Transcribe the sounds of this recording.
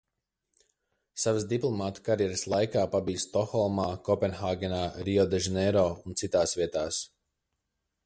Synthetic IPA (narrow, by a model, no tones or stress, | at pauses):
savəsd̪iplˠɔmaːt̪kaɾjɛɾɨslˠajkaːpabijst̪ɔxɔlˠmaːkɔpɛnxaːɡɛnaːɾiɔd̪ɛʒɛnɛɾɔːunt̪sit̪aːsvʲiɛt̪aːs